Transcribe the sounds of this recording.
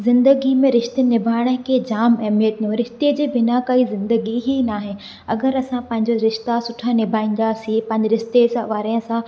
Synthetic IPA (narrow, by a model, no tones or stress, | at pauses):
zɪ̃nd̪əɡimẽɾɪʃt̪enɪbʱaːɪɽ̃əkʰeːd͡ʑaːmɛːmijət̪iũɾɪʃt̪ed͡ʑeːbɪnakɐizɪ̃nd̪əɡiɦinaːɦe | ɐɡəɾɐsãpɐ̃ɦɪ̃ɲd͡ʑoɾɪʃt̪asʊʈʰanɪbʱaːĩːn̆d̪asĩpɐ̃ɦɪ̃ɲd͡ʑɪɾɪʃt̪esãʋaːɾẽsã